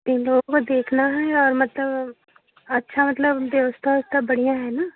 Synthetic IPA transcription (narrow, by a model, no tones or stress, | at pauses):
ɪloːɡkod̪eːkʰnaɦɛɔːɾmɐt̪ləb | ɐtːʃʰamət̪ləbʋjəʋəst̪ʰaʊst̪ʰabəɽijãɦɛːnaː